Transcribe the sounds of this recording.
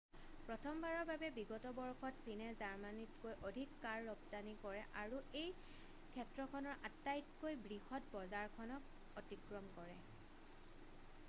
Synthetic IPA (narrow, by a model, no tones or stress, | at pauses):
pɹɔtʰɔmbaɹɔɹbabɛbiɡɔtɔbɔɹkʰɔtsinɛzaɹmanitkojʔodʱikːaɹːɔbtanikɔɹɛʔaɹuej | kʰɛtɹɔkʰɔnɔɹʔatːajtkojbɹihɔt̚bɔzaɹkʰɔnɔk | ɔtikɹɔmkɔɹɛ